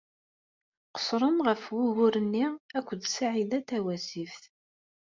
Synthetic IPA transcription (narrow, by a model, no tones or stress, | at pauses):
qə̥sˤɾˤəmʁəfwuɣʊɾənːiækʷːəd̪saʕiðæt̪ːæwæsifθ